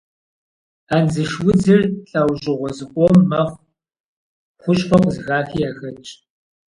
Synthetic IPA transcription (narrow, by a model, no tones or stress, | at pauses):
aːnzɨʃwʊd͡zɨrɬʼawʑʼɪʁʷɔzɨkʷʼɔmːɐχʷ | χʷʊɕʼχʷʰɔqʷʼzɨɣaːfiːjaːxɐt͡ʃʼ